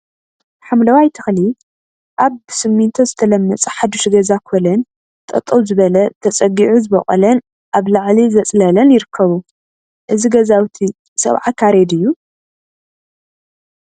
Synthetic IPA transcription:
ħamlɐwajt̪ʰɨxli | ʔaβsɨmːint̪ʰozɨt̪ʰɐlɐmːɐt͡sʼɨħad̪uʃɡɐzakʰolɐn | t̪ʼɐ̰t̪ʼːɐwzɨβɐlɐt̪ʰɐt͡sʼɐɡiʕuzɨbɐ̰χʼɐ̰lɐn | ʔaβlaʕlizɐt͡sʼlɐlɐnjɪɾɨkʰːɐβu | ʔɨziɡɐzawt̪ʰi | sɐ̰βʕakʰaɾed̪ɨjːu

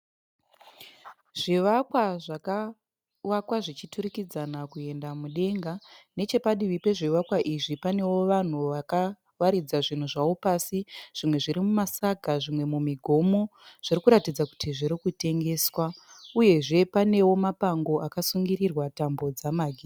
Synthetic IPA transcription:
ʐ̥iʋakwaʐaka | wakwaʐit͡ʃituɾikid͡zanakue̞ndamuɗe̞ŋɡane̞t͡ʃe̞paɗiʋipe̞ʐiʋakwaʔiʐipane̞wo̞ʋan̤uʋaka | ʋaɾid͡zaʐin̤uʐawo̞pasiʐ̥imwe̞ʐiɾimumasaɡʱaʐimwe̞mumiɡʱo̞mo̞ʐ̥irikuɾatid͡zaku̥tiʐiɾikute̞ŋɡe̞ːswa | uje̞ʐe̞pane̞wo̞mapaŋɡo̞akasuŋɡirirwatambo̞d͡zamaɡʱi

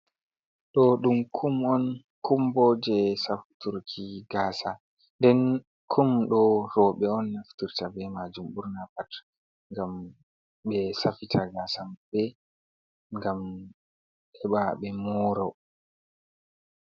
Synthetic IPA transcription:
ɗɔɗumkʰumɔn | kʰumbɔd͡ʒɛsaftuɾkʰiɡaːsa | ndɛn | kʰumɗɔɾɔɓɛɔnːaftuɾtabɛmad͡ʒumbuɾnapat | ŋɡam | ɓɛsafitʰaɡasambɛ | ŋɡam | ɗɛɓaɓɛmɔɾɔ

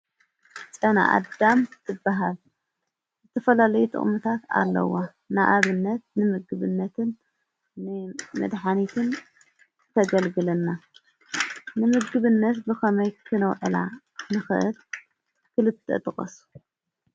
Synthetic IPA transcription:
t͡sʼɐna̰ʔa̰d̪amt̪ʰɨbːaɦal | zɨt̪ʰɐfɐlalɐjut̪ʰʼɨ̰χʼmɨt̪ʰat̪a̰lːɐ̰wa | naʔaβɨnːɐt̪̚nɨmɨɡɨβɨnːɐt̪ʰɨnː | ɨmɐ̰d̪ħanit̪ʰɨn | t̪ʰɐɡɐlɡɨlɐnːa | nɨmɨɡɡɨβɨnːɐt̪bɨxɐmɐjkʰɨnɐwʕɨla̰ | nɨxɨ̰ʔɨl | kʰɨlɨt̪ʼːɨ̰t̪ʰʼɨχʼɐ̰su̥

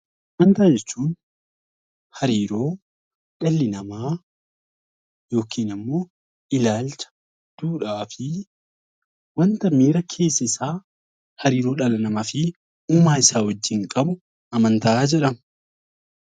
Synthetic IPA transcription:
ʔɐmɐnt̪aːd͡ʒɛt͡ʃːuːn | hɐɾiːɾo̞ː | ᶑɐlːɪnɐmaː | jo̞ːkʰiːnɐmːo̞ː | ɪlaːlt͡ʃɐ̥ | d̪̥uːᶑaːfɪ | wɐnt̪ɐmiːɾɐkʰe̞ːsːɐɪsaː | hɐɾiːɾo̞ːᶑɐlɐnɐmɐfɪ | uːmaːɪsaːwɐd͡ʒːɪŋkʼɐbʊ | ɐmɐnt̪ɐaːd͡ʒɛᶑɐm

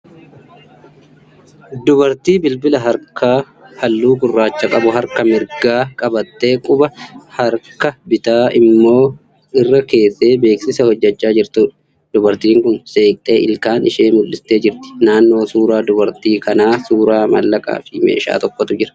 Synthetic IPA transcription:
d̪ʊbɐɾt̪iːbɪlbɪlɐɦɐɾkʰaː | hɐlːuːɡʊrːaːt͡ʃːɐkʼɐbʊɦɐɾkɐmɪɾɡaːkʼɐbɐt̪ːe̞ːkʼʊbɐhɐɾkɐbɪt̪aːɪmːo̞ː | ɪrːɐke̞ːse̞ːbe̞ːksɪsɐhɔd͡ʒːɐt͡ʃːaːd͡ʒɪɾt̪ʊᶑ | d̪̥ʊbɐɾt̪iːŋkʊnseːkʼt̪ʼe̞ːʔɪlkaːnɪʃeːmʊlːɪst̪ːe̞ːd͡ʒɪɾt̪ɪ̥naːnːo̞ːsuːɾaːd̪ʊbɐɾt̪iːkɐnaːsuːɾaːmɐlːɐkʼa̰ːfɪmḛːʃa̰ːt̪ɔkːɔt̪ʊd͡ʒɪɾɐ̥

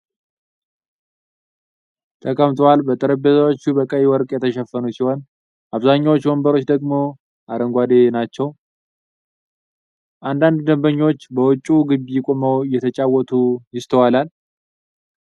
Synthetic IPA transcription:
t̪ʰəkʼəmt̪ʰʼwalbət̪ʼəɾəbezawot͡ʃːubəkʼəjwɔɾkʼjɛt̪ʰəʃɛfːənusiho̞n | ʔaβzaɲːawot͡ʃːwɔmbəɾo̞t͡ʃːd̪əɡmo̞ | ʔaɾəŋɡʷad̪enat͡ʃːɛw | ʔand̪and̪d̪əmbəɲːo̞t͡ʃːbəwɔt͡ʃʼːuɡɨbijɪkʼo̞məwjɛt̪ʰət͡ʃʼawːɔt̪ʰujɪst̪ʰəwalal

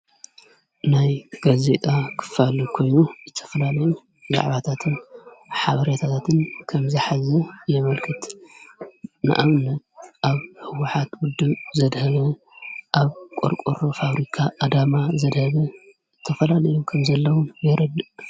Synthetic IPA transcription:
najɡaze̞t̪ʼakʰɨ̥falikʰo̞jnuzɨt̪ʰɐ̥fɐlalɐju | za̰ʕβat̪ʰat̪ʰɨnħaβɐɾet̪ʰat̪ʰat̪ʰɨnkʰɐmziħazɐjɛmɐlkʰɨt̪ | nɨ̰ʔaβnɐt̪ʔaβhɨwʊħat̪wʊd̪ːɨzɐd̪hɐβɐ | ʔaβkʼo̰ɾkʼoɾofaβɾikʰaʔːd̪amazɐd̪hɐβɐ | zɨt̪ʰːɐfɐlalɐjukʰɐmzɐlːɐwunbjɛɾɐd̪ɨʔ

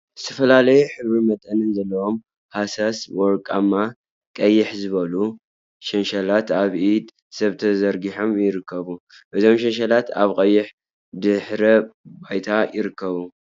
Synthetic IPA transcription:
z̥ɨt̪ʰɐfɐlalɐjuħɨβɾimɐt̪ʼɐnɨnzɐlːɐwo̞m | hasaswɔɾkʼamːa | kʼɐjːɪħzɨβɐlu | ʃɐnʃalat̪aβʔid̪ | sɐβt̪ʰɐzɐɾɡiħo̞mjɪɾɨkʰːɐβu | ʔɨzo̞mʃɐnʃ̬alat̪a̰βkʼɐjːɪħ | d̪ɨħɾɐbajt̪ʰajɪɾɨkʰːɐβu

